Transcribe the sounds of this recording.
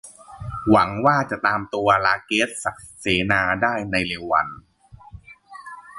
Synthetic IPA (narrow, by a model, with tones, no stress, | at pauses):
wa˩˦ŋwaː˥˩t͡ɕa˨˩ʔt̪aː˧mt̪u˧ɐlaː˧keː˦˥t̪̚sa˨˩k̚seː˩˦naː˧daː˥˩jna˧jleː˧wa̰˧n